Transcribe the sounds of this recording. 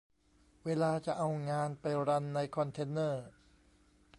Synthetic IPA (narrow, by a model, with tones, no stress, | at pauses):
weː˧laː˧t͡ɕa˨˩ʔa˧wŋaː˧npa˧jɾa˧nːa˧jkʰɔ˧nt̪ʰe˧˥nːɤː˥˩